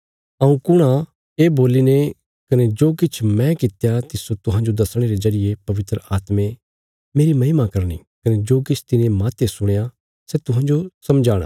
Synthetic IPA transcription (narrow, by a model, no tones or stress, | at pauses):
ɐ̃ːũkʊɽ̃a | eːboːline | kɐned͡ʒoːkɪt͡ʃʰmɛ̃kɪt̪jat̪ɪsot̪ʊɦãːɲd͡ʒod̪ɐsɽ̃eɾezɐɾɪjepɐʋɪt̪ɾəaːt̪mẽ | meːɾimɐɦɪmakɐɾɽ̃ḭ | kɐned͡ʒoːkɪt͡ʃʰt̪ɪnemaːt̪esʊɽ̃eja | sɛt̪ʊɦãːd͡ʒosɐmd͡ʒaːɽ̃ã̰